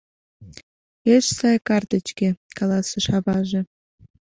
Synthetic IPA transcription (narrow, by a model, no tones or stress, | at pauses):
eʃsɑjkɑrt̪ət͡ɕkĕkɑlˠɑsĕʃɑβɑʒĕ